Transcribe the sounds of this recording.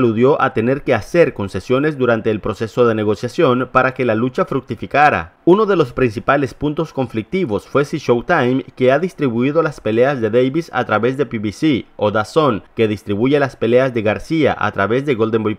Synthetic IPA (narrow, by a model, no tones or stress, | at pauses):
aluðjo̞ʔat̪e̞ne̞ɾke̞ase̞ɾko̞nse̞sjo̞ne̞zd̪uɾant̪e̞ːlpɾo̞se̞so̞ðe̞ne̞ɣo̞sjasjo̞npaɾake̞lalut͡ʃafɾuk̚t̪ifikaɾa̰uno̞ðe̞lo̞spɾinsipale̞spunt̪o̞sko̞ɱflik̚t̪iβo̞sfwe̞siʃowt̪ajmke̞aðist̪ɾiβuiðo̞laspe̞le̞azðe̞ðejβisa̰t̪ɾaβe̞zðe̞piβisio̞ðaso̞ŋke̞ð̞ist̪ɾiβuʝe̞laspe̞le̞azðe̞ɣaɾsia̰ʔa̰t̪ɾaβe̞zðe̞ɣo̞ld̪emboj